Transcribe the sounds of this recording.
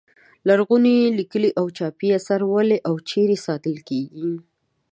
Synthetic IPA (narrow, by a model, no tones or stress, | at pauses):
laɾɣunelikəliʔawt͡ʃɑpiasaɾwəleʔawt͡ʃeɾesɑt̪əlkeɡi